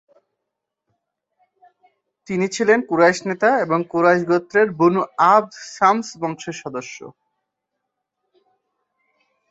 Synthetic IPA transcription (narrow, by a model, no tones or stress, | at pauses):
t̪init͡ɕʰilenkuɾajʃnet̪aeboŋkuɾaʃɡot̪ːɾeɾbunuab̪̚ʃamsbɔŋʃeɾʃɔd̪oʃːo̰